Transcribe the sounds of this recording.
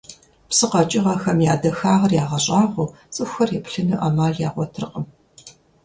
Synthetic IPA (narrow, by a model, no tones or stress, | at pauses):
psɨqɐt͡ʃʼɪʁɐxɐmjaːdɐxaːʁɐrjaːʁɐɕʼaːʁʷu | t͡sʼɨxʷxɐrjɛpɬɨnɨʔɐmaːɮjaːʁʷɔtʰrqʼəm